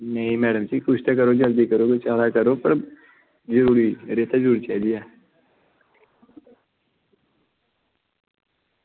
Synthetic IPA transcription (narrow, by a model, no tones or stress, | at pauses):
nɐɦĩmɛːɖəmt͡ʃikʊʃt̪ak̬ɐɾod͡ʒɐld̪ikɐɾoket͡ʃaːlakɐɾopɐɾ | d͡ʒəɾuːɾiɾeːt̪ad͡ʒɾuːɾit͡ʃaɦd̪ijaː